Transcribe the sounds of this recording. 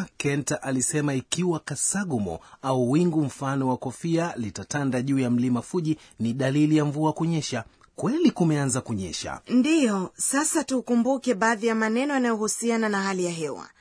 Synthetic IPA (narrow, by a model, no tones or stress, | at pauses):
kɛntaʔalisɛmaikiwakasaɠumɔ̰auwiŋɡum̩fanɔwakɔfialitatandaʄuːjam̩limafuʄi | niɗalilijaɱvuakuɲɛʃa | kwɛlikumɛanzakuɲɛ̰ʃa̰ndijɔsasatukumbukɛɓaːðijamanɛnɔjanajɔhusiananaɦalijaɦɛwa̰